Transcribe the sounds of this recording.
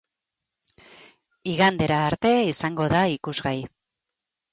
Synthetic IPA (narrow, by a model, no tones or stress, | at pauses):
iɣand̪e̞ɾaːɾt̪e̞isaŋɡo̞ðaikuzɣaj